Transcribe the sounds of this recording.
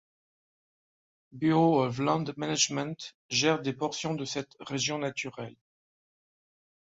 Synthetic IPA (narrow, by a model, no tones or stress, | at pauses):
byoɔvlɑ̃d̪manaʒmɛ̃nt̪ | ʒɛʁd̪epɔʁsjɔ̃d̪əsɛt̪ʁeʒjɔ̃nat̪yʁɛl